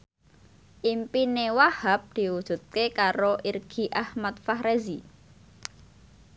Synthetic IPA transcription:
ʔimpinewahap̚d̪̥i̤wud̥ʒ̥ṳt̪̚kekaɾoʔirɡ̥i̤ʔahmat̪̚fahɾezi

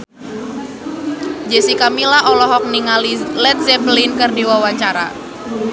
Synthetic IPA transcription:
d͡ʒɛsikamilaɔlɔɦɔk̚niŋalilɛt̪̚zɛblinkɨrdiwawaɲt͡ʃaɾa̰

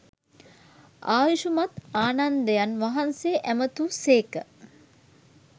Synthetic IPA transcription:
ʔaːʋiʃumat̪aːnand̪əjanʋaɦanseːʔæmət̪useːkə

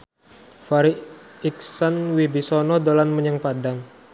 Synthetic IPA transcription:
faɾiiksanwibisɔnɔdolanməɲəŋpadaŋ

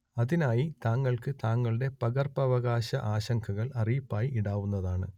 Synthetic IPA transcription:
ɐðinaːjit̪aːŋːɐɭkɨt̪aːŋːɐɭɨɽe̞pɐɣɐrpɐʋɐɣaːɕɐʔaːɕɐŋkʰɐɣɐɭɐrijipːaːjiʔiɽaːʋunːɐðaːɳɨ

